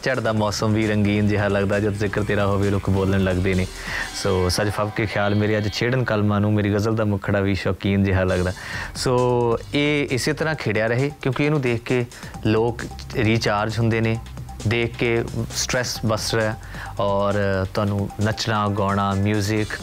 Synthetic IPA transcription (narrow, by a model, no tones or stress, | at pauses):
t͡ʃəɽd̪aːmɔːsəmʋiːɾəŋɡiːnd͡ʒɪɦaːləɡd̪aːd͡ʒət̪zɪkəɾt̪eːɾaːɦoːʋeːlʊkʰboːləɳləɡd̪eːneː | soːsəd͡ʒpʰəʋkekʰjaːlmeːɾeːəd͡ʒt͡ʃʰeːɽənkəlmãːnũːmeːɾiːɡəzəld̪aːmʊkʰɽaːʋiːʃɔːkiːnd͡ʒɪɦaːləɡd̪aːsoːeːɪseːt̪əɾãːkʰeːɽjaːɾəɦeːkjõːkieːnũːd̪eːkʰkeː | loːk | ɾiːt͡ʃaːɾd͡ʒɦʊnd̪eːneː | d̪eːkʰkeːsʈɾɛːsbəsɾɛ | ɔːɾt̪ʊaːnũːnət͡ʃnãːɡɔːɽ̃aːmjuːzɪk